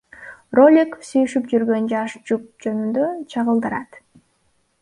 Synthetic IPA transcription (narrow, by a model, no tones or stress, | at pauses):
rolʲikofsyjyʃypd͡ʒyɾɡø̞nd͡ʒɑʃd͡ʒup̚d͡ʒø̞nynd̪øt͡ʃʰɑʁəlˠd̪ɯɾɑt̪